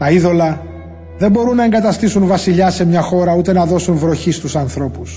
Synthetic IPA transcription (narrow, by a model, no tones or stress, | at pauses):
t̪ɐiðo̞lɐ | ðe̞mbo̞ɾunːɐe̞ŋɡɐt̪ɐst̪isunvɐsiʎɐse̞mɲɐxo̞ɾɐut̪e̞nɐðo̞sunvɾo̞çist̪usɐnθɾo̞pus